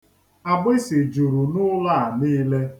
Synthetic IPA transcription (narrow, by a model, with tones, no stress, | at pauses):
a˨ɡ͡bɪ˦si˨d͡ʒu˨ɾu˨nʊ˦la˦˨a˨niː˦le˦